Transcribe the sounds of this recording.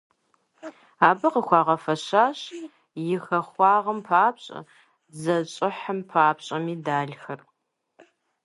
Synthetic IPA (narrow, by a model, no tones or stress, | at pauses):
aːbɐqəxʷɑːʁɐfɐɕaːɕ | jɪxɐχʷɑːʁɐmpʰaːpɕʼɐ̰ | zɐɕʼɪħəmpʰaːpɕʼɐmiːdaːɮxɐr